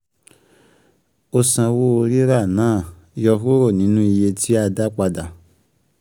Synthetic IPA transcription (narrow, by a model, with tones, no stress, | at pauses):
o˧sã˧wo˦o˧ɾi˦ɾa˦˨nãː˨˦˨ | jɔ˧ɦo˦ɾo˦˨nĩ˨˦nũ˦i˧je˧tʰi˦a˦˧da˦k͡pa˧da˨